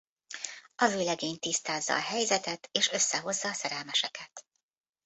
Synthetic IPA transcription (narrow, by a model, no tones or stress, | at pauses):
ɒzøːlɛɡeːɲt̪ist̪aːzːɒ̰ːɦɛjzɛt̪ɛt̪eːʃø̞sːɛɦo̞zːɒːsɛɾɛlmɛʃɛkʰɛt̪